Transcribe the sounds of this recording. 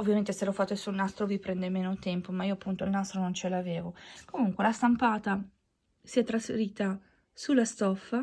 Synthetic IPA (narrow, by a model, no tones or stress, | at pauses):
ovːjament̪eselɔfat̪ːesulnast̪ɾovipɾɛnd̪emeːnot̪ɛmpomaiːoapːunt̪oilnast̪ɾonont͡ʃelaːvɛːvokomuŋkwelast̪ampaːt̪a | siɛt̪ːɾasfeɾiːt̪a | sulːast̪ɔfːa